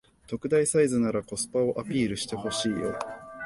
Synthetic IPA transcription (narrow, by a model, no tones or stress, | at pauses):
t̪o̞kɯ̟d̪aisaizɨnaɾako̞sɨ̥pao̞ʔapʲiːɾɯ̟ɕi̥t̪e̞ho̞ɕiːjo̞̰